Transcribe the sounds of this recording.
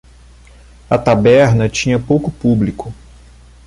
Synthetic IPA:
ɐt̪abɛɾnɐt͡ʃĩɲɐpowkʊpublikʊ

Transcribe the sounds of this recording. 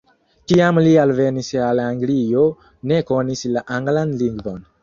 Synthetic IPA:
kiamlialve̞nisalaŋɡlio̞ | ne̞ko̞nislaʔaŋɡlanliŋɡvo̞n

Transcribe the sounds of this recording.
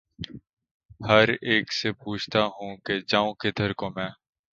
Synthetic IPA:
həɾeːksepuːt͡ʃʰt̪aɦũːked͡ʒãːũːkɪd̪ʰʱəɾkoːmɛ̃ː

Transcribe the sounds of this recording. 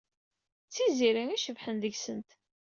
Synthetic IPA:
t͡sːiziɾæŋiʃəvħənðəʝsənt̪

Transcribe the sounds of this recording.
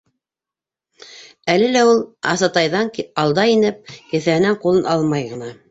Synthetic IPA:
ælɘlæulˠɑ̰sɑt̪ɑjðɑŋkɑlˠd̪ɑinɘp̚kɘ̆θæɦɘ̆næŋqulˠɤnʔɑlˠmɑjʁɤ̆nɑ

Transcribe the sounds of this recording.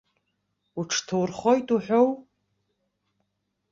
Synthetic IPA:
uʈ͡ʂʰtʰowrχojtʼuħʷᶣow

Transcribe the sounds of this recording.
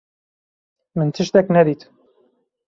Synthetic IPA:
mɨnt̪ʰɨʃt̪ɛknɛd̪it̪

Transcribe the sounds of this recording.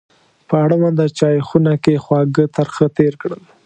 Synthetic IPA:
pəaɽamand̪at͡ʃɑjxunakexwɑɡət̪əɾxət̪eɾkɽəl

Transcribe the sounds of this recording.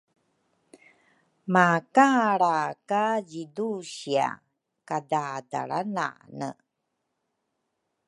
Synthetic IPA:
makaɾakaɟiduɕia̰ | kadada̰ɭa̰na̰nə̰

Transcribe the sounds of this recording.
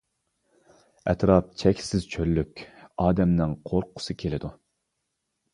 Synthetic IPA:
ɛt̪ɾɑp̚t͡ʃʰɛkʲsɪz̥t͡ʃʰølːykʲɑːd̪ɛmnɪŋqʰoɾqʰʊ̥sɨkʲʰelɪd̪u

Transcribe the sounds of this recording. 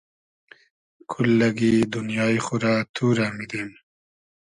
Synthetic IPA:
kʰulːɐɡiːd̪unjɑːixuɾaːt̪ʰuːɾaːmid̪eːm

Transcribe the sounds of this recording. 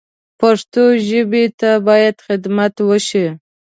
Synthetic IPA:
paʂt̪oʒəbet̪abɑjad̪xɪd̪mat̪wəʃi

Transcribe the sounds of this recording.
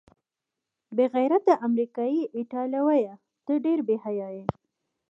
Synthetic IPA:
beɣajɾat̪̚d̪əʔamɾikɑjiʔɪʈɑljawaja | t̪əɖeɾbehajɑje

